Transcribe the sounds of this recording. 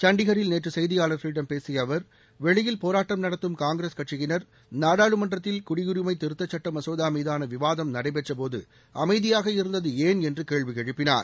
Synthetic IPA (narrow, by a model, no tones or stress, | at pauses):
t͡ʃɐɳɖɪɣɐɾɪlneːʈrɯsɛjðɪjaːlɐfɾiːɖɐmpeːsɪjɐʋɐɾ | ʋɛɭɪjɪlpoːɾaːʈːɐmnɐɽɐt̪ːɯmkaːŋɡɾeːskɐʈt͡ʃɪɣɪnɐɾ | naːɽaːɭɯmɐndrɐt̪ːɪlkʊɽɪɣʊɾɪmɐɪt̪ɪɾɯt̪ːɐt͡ʃːɐʈːɐmɐsoːðaːmiːðaːnɐʋɪʋaːðɐmnɐɽɐɪpɛʈrɐpoːðɯ̰ | ɐmɐɪðɪjaːɣɐɪɾɯnd̪ɐðɯeːnɛndrɯkeːɭʋiɛɻɯpːɪna̰ːɾ